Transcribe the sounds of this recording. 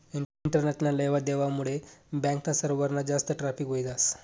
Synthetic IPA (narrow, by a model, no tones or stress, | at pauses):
iɳʈəɾnɛt͡ɕnalːeʋad̪eʋamuɭebɛ̃ŋknasəɾʋəɾnad͡zast̪əʈɾafikɦojt̪as